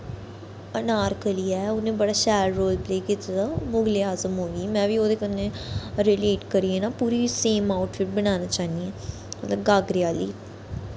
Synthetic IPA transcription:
ənaːɾkəliːɛːʊnẽːbəɽaːʃɛːɖɾoːlpleːkit̪ad̪amʊɡleːaːzəmɦoːɡimɛ̃ːʋiːoːd̪eːkənːeɾɪleːʈkəɾiːẽːnaːpuːɾiːseːmaːʊʈfɪʈ̚bənaːnaːt͡ʃaːnd̪iɛ̃ː | mət̪ləbɡaːɡɾɪaːlḭː

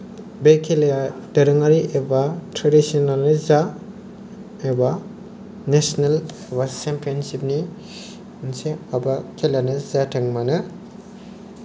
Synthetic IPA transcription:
bekʰeljadɐɾɯŋaɾiʔebatʰɾedisionalnɯza | eba | nesnalebasempʰiansip̚ni | nseabakʰelanɯzatʰɐŋmanɯ

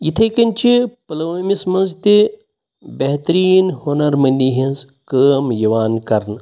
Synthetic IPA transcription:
jit̪ʰɐjkɐnʲt͡ʃʰipɐlɐʋɐːmismɐnzt̪i | bɐɦt̪ɾiːnhoːnɐɾmɐnʲd̪iɦinz | kəːmjɐʋaːnkɐɾn

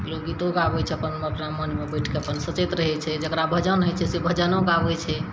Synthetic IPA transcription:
loɡid̪oɡabɛt͡ʃʰɛəpənəpnamənmebəʈʰkeəpənsət͡ʃet̪ɾəɦɛt͡ʃʰɛd͡ʒəkɾabʱəd͡ʒənɦəjt͡ʃʰɛsebʱəd͡ʒənõɡabɛt͡ʃʰɛ

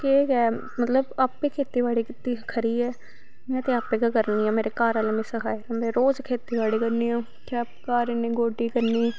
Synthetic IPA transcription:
keːɡɛː | mət̪ləbaːpːeːkʰeːt̪iːʋaːɽiːkɪt̪ːiːkʰəɾiːɛː | mɛ̃t̪ẽːaːpẽːkːkəɾniːãːmeːɾeːkaːɾalːmẽːsəkʰaːeɾãːmẽːɾoːd͡ʒkʰeːt̪iːʋaːɽiːkəɾniːãː | kaːp̚kaːɾenẽːɡoːɖiːkəɾniː

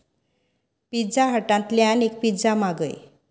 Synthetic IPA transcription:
pid͡zaɦəʈãnt̪ljanek̚pid͡zamaɡə̰j

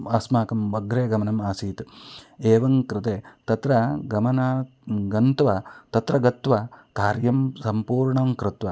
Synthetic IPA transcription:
aːsmaːkɐmʋɐɡɾeːɡɐmɐnɐmaːsiːt̪eːʋɐŋkɾɪt̪eːt̪ɐt̪ɾɐɡɐmɐnɐ | ɡɐnt̪ʋɐt̪ɐt̪ɾɐɡɐt̪ʋɐkaːɾjɐmsɐmpuːɾɳɐmkɾɪt̪ʋɐ

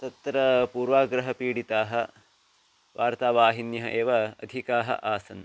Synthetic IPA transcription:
t̪ɐt̪ɾɐpuːɾʋaːɡɾɐɦɐpiːɽit̪aːɦɐ | ʋʔaːɾt̪aːʋaːɦinjɐɦɐʔeːʋɐɐ̰d̪ʱikaːɦɐ̰ʔaːsɐn

